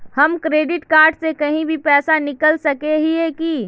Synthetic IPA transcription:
hɐmkɾeːɖɪʈkaːɾɖsekɐɦĩbʱipɛːsanɪkəlsəkeɦieki

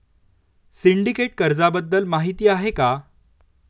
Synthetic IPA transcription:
siɳɖikeʈ̚kəɾd͡zabəd̪ːəlmaɦit̪iːaɦeka

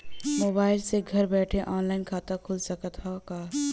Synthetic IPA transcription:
moːbaːɪlseɡʱɐɾbɛːʈʰeʔɔːnlaːɪnkʰaːt̪akʰʊlsɐkət̪ʰakaː

